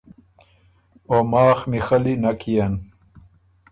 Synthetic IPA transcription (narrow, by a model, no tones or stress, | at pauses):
oːmaːxmixɐlinɐkʰijɐn